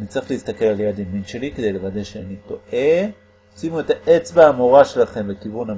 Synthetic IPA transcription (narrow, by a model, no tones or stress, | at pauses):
nit͡sʁiχleist̪ake̞laljad̪iminʃe̞liked̪e̞jlevad̪eʃeanit̪o̞ʔe | ot͡simue̞t̪aʔet͡sbeamoʁaʃe̞laχe̞mbekivuna